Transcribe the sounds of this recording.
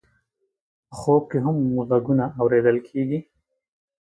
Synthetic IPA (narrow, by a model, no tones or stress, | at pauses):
əxob̚keɦamːuzaɡunaːwɾed̪əlkʰeɡi